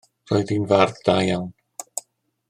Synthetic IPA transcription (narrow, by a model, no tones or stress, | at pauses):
roːɨðinvarðdaːjawn